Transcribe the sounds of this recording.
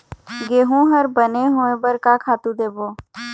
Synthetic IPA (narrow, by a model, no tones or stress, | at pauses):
ɡeːɦũɦəɾbəneɦoːẽbəɾkakʰaːt̪ũd̪eːboː